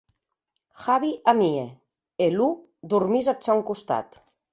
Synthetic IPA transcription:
xaβiʔamie | elu | d̪urmizasawŋkust̪a̰t̪

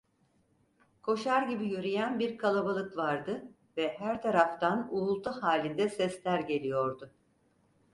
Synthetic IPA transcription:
kʰo̞ʃaɾɟibijyɾijænbiɾkʰalˠabalˠɯkvaɾd̪ɯ | vɛhæɾt̪ʰaɾaft̪ʰanuːlˠt̪ʰahaːlʲind̪ɛsɛslʲæɾɟe̞lʲijo̞ɾd̪ʊ

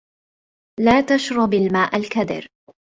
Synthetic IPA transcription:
laːt̪aʃɾˤɑbalmaːʔalkad̪ɪ̰ɾ

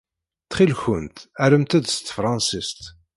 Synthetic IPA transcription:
θχilçənt̪æɾəmt̪æd̪st̪fɾˤɑnsist̪

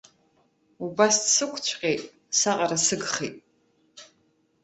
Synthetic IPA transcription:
ubasdsɨkʷʰt͡ɕʷʰqʲʼe̞jtʼ | saqʼaɾasɨɡχejtʼ

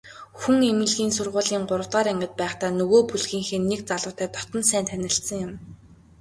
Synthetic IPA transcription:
xuŋemɘ̆ɮɣiːnsʊrʁʊːɮiːŋɢʊɾə̆wt̪ɢaːɾæŋɡʲə̆t̪̚pæːχt̪aːnɵɣoːpuɮxiːŋxenːekt͡saɮʊːt̪æːt̪ɔ̥t̪ɞ̆nsæːnt̪ʰænʲɪ̆ɬt̪sə̆ŋjʊm

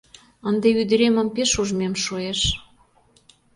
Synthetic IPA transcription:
ənd̪eyd̪ə̆ɾemə̆mpeʃuʒmemʃoeʃ

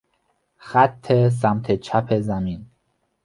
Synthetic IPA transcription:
xæt̪ʰːes̬æmt̪ʰet͡ʃʰæpʰezæmin

